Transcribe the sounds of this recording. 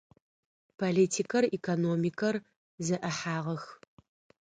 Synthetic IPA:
pʰoliːtʰikʰɐrikʰonoːmikʰɐr | zɐʔɐħaːʁɐx

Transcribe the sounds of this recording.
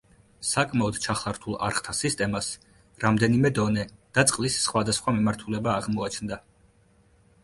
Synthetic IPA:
sakʼmaɔd̪t͡ʃʰaχlˠaɾt̪ʰulˠa̰ɾχt̪ʰasist̪ʼɛmas | ɾamd̪ɛnimɛd̪ɔnɛd̪̥at̪sʼqʼlisːχwad̪asχwamimaɾt̪ʰulɛbaːʁmɔat͡ʃʰnd̪a

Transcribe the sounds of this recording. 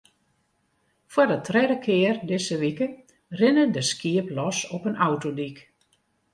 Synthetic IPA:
fwadətʰrɛdəkʰɪərdɪsəʋikə | rɪnədəskiəplɔsɔpənʔawtodik

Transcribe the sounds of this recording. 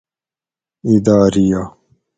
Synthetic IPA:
id̪aːɾija

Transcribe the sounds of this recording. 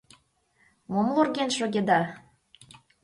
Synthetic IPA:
momlorɡʲenʃoɡʲed̪ɑ

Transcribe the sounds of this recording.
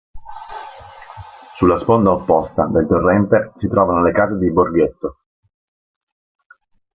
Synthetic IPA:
sulːaspond̪aopːɔst̪ad̪elt̪orːɛnt̪esit̪ɾɔːvanolekaːzed̪iborɡet̪ːo

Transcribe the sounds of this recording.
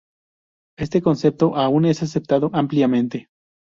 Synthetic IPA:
e̞st̪ekonse̞p̚t̪oʔaune̞sas̬ep̚t̪aðoʔampljamẽnt̪e

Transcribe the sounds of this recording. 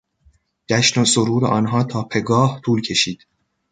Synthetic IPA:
d͡ʒ̥æʃnosoɾuːɾḛʔɒːnɦɒːt̪ʰɒːpʰe̞ɡɒːht̪ʰuːlcʰe̞ʃiːd̪̥

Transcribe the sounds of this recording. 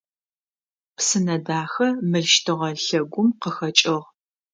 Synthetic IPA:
psɨnɐdaːxɐmɨɮʃtʰɨʁɐɬɐɡʷʊmqəxɐt͡ʃʼɪʁ

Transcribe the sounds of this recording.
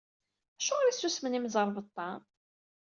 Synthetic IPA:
æʃuʁɾisːusmənimzˤəɾˤvət̪ˤːɑ

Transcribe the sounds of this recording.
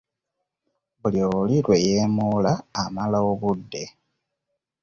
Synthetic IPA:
βulioliɾwejeːmuːlaːmalaoβudːe̞

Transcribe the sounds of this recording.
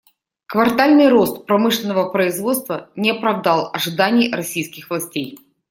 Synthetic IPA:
kvɐrt̪alʲnɨjɾo̞st̪pɾɐmɨʂlʲɪnːəvəpɾəɪzvo̞t̪st̪vənʲɪɐpɾɐvd̪ɑlˠɐʐɨd̪anʲɪjɾɐsʲijskʲɪxvlˠɐsʲtʲej

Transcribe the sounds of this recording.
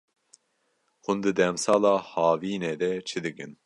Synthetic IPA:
xund̪ɨd̪ɛmsɑːlɑːhɑːviːned̪ɛt͡ʃʰɨd̪ɨkɨn

